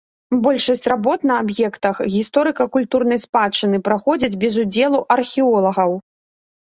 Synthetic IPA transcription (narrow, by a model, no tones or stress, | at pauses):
bɔlʲʂɐsʲt͡sʲrabɔt̪nɐːbjɛkt̪ɐxɣʲist̪ɔɾɨkɐkulʲt̪uɾnɐjspat͡ʂːɨnɨpɾaxɔd͡zʲɐd͡zʲbʲɛzud͡zʲɛlˠuʔɐrxʲiɔlˠɐɣɐw